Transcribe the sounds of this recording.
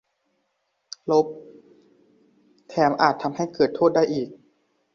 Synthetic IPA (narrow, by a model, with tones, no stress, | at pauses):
lo˦˥p̚ | t̪ʰɛː˧˦mʔaː˨˩t̪ʰːa˧mha˥˩jkɤː˨˩t̪ʰːoː˥˩t̪̚da˥˩jʔiː˨˩k̚